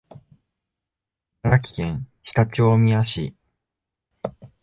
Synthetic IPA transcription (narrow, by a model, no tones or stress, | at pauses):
aɾakʲi̥kẽ̞ɰ̃çi̥t̪at͡ɕoːmʲiaɕi